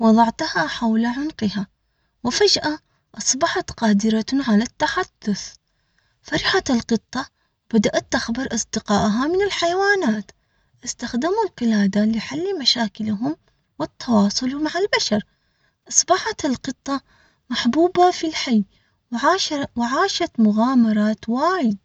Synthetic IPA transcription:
wɑðˤɑʕt̪haħawlaʕʊnqɪha | wɪfad͡ʒʔa | ʔɑsˤbɑħat̪qɑːd̪ɪɾaʕalat̪ːaħad̪̥ːʊθ | faɾħaɪlqɨt̪ˤːɑ | b̥ad̪aʔat̪ːaxbɪɾʔɑsˤd̪ɪqɑːʔɦamɪnɪlħajawaːnaːt̪ | ʔɪst̪axd̪ɪmulqɪlaːd̪alɪħalːmaʃaːkɪlɦʊm | wɪt̪ːɑwɑːsˤʊlmaʕalbaʃɑɾˤ | ʔɑsˤbɑħat̪ɪlqɨt̪ˤːɑ | maħbuːbafilħajː | wwɪʕaːʃat̪mʊɣaːmɑɾˤɑːt̪waːjɪd̪̚

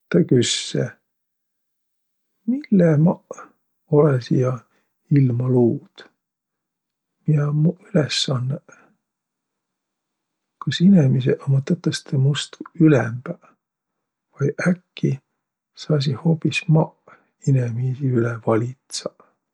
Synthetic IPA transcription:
t̪ɑkysːe | milːemɑʔ | olesijɑ | ilmɑluːd̪̥ | miɑmuylesːɑnːe | kɑsinemis̬eʔɑmɑt̪ːɑt̪ːˑɑst̪ʰemust̪uylɛ̰mb̥æ | vɑjʔækːi | sɑːs̬ihopismɑʔ | inemisiylɛvɑlʲit̪sɑ

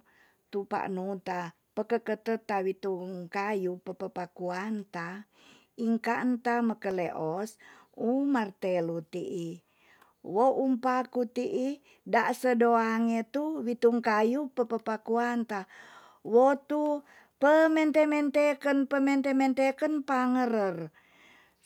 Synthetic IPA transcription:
t̪upa̰ʔnut̪a | pəkəkət̪ət̪awit̪uŋkajupəpəpakuant̪a | iŋkaʔənt̪aməkəleʔɔsumart̪elut̪iʔi | woʔumpakut̪iʔi | daʔsədoaŋet̪uwit̪uŋkajupəpəpakuant̪a | wot̪u | pəmɛnt̪emɛnt̪ekənpəmɛnt̪emɛnt̪ekənpaŋəɾər

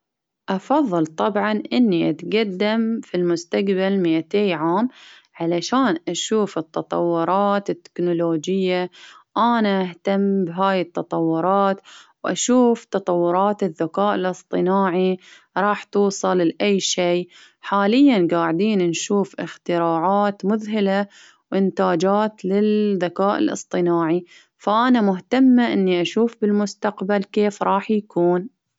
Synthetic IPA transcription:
ʔɑfɑðˤːɨlt̪ˤɑbʕɑnʔɪnːiʔat̪ɡad̪ːamfilmʊst̪aɡbalmiʔat̪eːjʕaːmʕalaʃaːnʔaʃuːfɪt̪ːɑt̪ˤɑ̰wːʊɾˤɑːt̪ɪt̪ːɪ̥knʊloːd͡ʒɪjːaʔaːnaʔaht̪amːbɦaːjɪt̪ːɑt̪ˤɑwːʊɾˤɑːt̪wʔaʃuːft̪ɑt̪ˤɑwːʊɾˤɑːt̪ɪðːakaːʔɪlʔɨsˤt̪ˤɨnaːʕi | ɾˤɑːħt̪uːsˤɨllʔajːʃeː | ħaːlɪjːanɡaːʕd̪iːnnʃuːfʔɪ̰xt̪ɪɾaːʕaːt̪mʊðɦɪla | wʔɪnt̪aːd͡ʒaːt̪lɪlðːakaːʔɪ̰lʔɨ̰sˤt̪ˤɨnaːʕi | faʔanamʊɦt̪amːaʔɪnːiʔaʃuːfbɪlmʊst̪aqbalkeːfɾˤɑːħjakuːn

